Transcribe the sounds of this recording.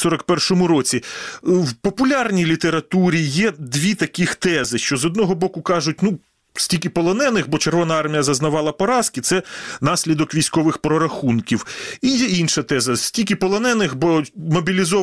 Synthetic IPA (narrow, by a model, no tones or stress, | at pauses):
sɔɾɐkpɛrʃɔmʊɾɔt͡sʲiwpɔpʊlʲɑrnʲijlʲit̪eɾɐt̪uɾʲijɛd̪ʋʲit̪ɐkʲixt̪ɛzɪʃt͡ʃɔzɔd̪̚nɔɦɔbɔkʊkɑʒʊt̚ʲnu | sʲtʲilʲkʲɪpɔlˠɔnɛnɪxbɔt͡ʃerʋɔnɐɑrmʲijɐzɐznɐʋɑlˠɐpɔɾɑskɪt̪sɛnɑsʲlʲid̪ɔkʋʲijsʲkɔʋɪxpɾɔɾɐxunkʲiwijɛinʃɐt̪ɛzɐsʲtʲilʲkʲɪpɔlˠɔnɛnɪxbɔmɔbʲilʲizɔ